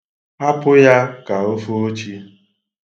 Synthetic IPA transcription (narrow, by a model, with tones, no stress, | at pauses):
a˦pʊ˦ja˦ka˨o˦fo˦o˦t͡ʃi˦